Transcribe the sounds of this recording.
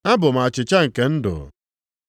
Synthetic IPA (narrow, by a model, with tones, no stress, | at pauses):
a˦bʊ˨m̩˨a˨t͡ʃɪ˨t͡ʃa˦ŋ̩˨ke˨n̩˦dʊ̰˨